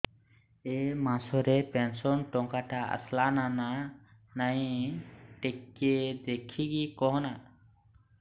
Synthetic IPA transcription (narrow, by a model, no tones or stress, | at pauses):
emasɔɾɛpensɔnʈɔŋkaʈaə̰slanananaj | ʈekːed̪ekʰiɡikɔɦɔna